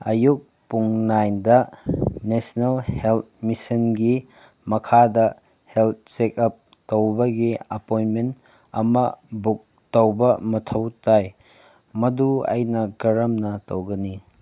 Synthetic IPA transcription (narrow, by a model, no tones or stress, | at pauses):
ɐjuk̚ | puŋnajndɐnesnelhelt̚misɐnɡi | mɐkʰadɐ | helt̚sekɐp̚ | towbɐɡiɐpojnment | ɐmɐbuk̚ | tɐwbɐmɐtʰɐwtaj | mɐduɐ̰jnɐɡɐɾɐmnɐtowɡɐni